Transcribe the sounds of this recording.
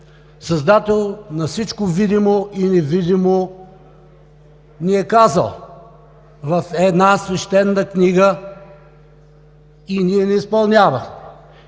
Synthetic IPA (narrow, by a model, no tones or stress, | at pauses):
sɐzd̪at̪ɛlˠnɐsit͡ʃkovid̪imoʔinɛvid̪imo | niɛkazə̰lˠ | vɐfɛd̪nasvɛʃt̪ɛnːəkniɡə | iniɛnɛispɐlˠnʲavəxmɛ